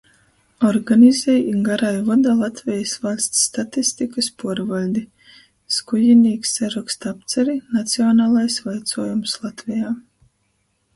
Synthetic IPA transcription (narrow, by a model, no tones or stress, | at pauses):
ɔɾɡanʲizʲɛjiŋɡaɾajvɔd̪alˠat̪vʲɛjsvalʲst̪sːt̪at̪ist̪ikaspuɔɾvalʲd̪i | skujinʲiːksːaɾakst̪apt̪sɛɾinat̪siɔnaːlˠajsvajt̪suːjumslˠat̪vʲɛjaː